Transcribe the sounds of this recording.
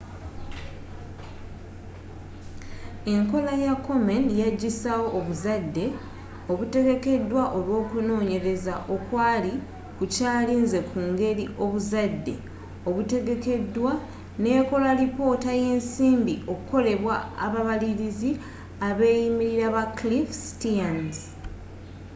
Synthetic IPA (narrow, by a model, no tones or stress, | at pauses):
e̞ŋko̞lajakːo̞menjaɟːisawo̞ʔːβuzadːe̞ | o̞βute̞ɡe̞ke̞dwaʔo̞lwo̞ːkuno̞ːɲe̞ɾe̞zaʔo̞kwaːli | kucaːliːnze̞kʰuːŋɡe̞ɾiʔo̞βuzadːe̞̰ | o̞βute̞ɡe̞ke̞dːwa | ne̞ːko̞laɾipo̞ːtaje̞ːnsiːmbiʔo̞kuko̞le̞βwaa̰βaβaliɾizi | aβe̞ːjimiɾiɾaβaklifsi̥tianz